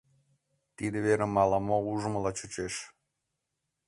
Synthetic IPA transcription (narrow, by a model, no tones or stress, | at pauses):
t̪id̪eβeɾemɑlɑmouʒəməlɑt͡ɕut͡ɕeʃ